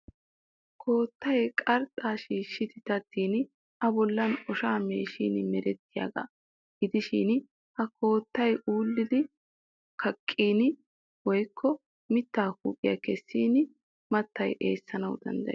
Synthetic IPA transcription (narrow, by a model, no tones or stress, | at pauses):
kʰo̞ːt̪ːɐjkʼɐɾt̪ʼːaːʃiːʃːɪt̪ɪt̪ɐt̪ːiːn | ʔɐbɔlːɐnɔʃaːmeːʃḭːnmɛɾɛt̪ːɪja̰ːɡɐ̰ | ɡɪd̪ɪʃḭːn | ʔɐkʰo̞ːt̪ːɐjʔuːlːɪd̪ɪ | kʰɐkʼːiːn | wɔjkʰːɔ | mɪt̪ːaːkuːpʼːɪjɐ̰kɛsːiːn | mɐt̪ːɐjʔe̞̰ːsːɐnɐwd̪ɐ̰nd̪ɐ̰